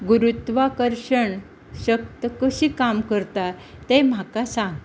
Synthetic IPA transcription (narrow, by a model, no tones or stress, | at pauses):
ɡuɾut̪ʋakəɾɕəɳ | ɕək̚t̪əkəɕiːkamkəɾt̪at̪em̤akasãŋɡ̪